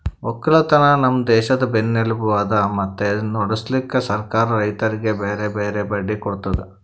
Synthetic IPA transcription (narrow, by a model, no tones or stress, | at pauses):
ɔkːɐɭɐt̪ɐnɐnɐmːɐd̪ɛːʃɐd̪ɐbenːelubuʋaːd̪ɐmɐt̪ːenoɽuslikːɐsɐɾkaːɾɐɾɐjt̪ɐɾiɡe̞beːɾebeːɾebɐɖːikɔɽt̪ɐd̪e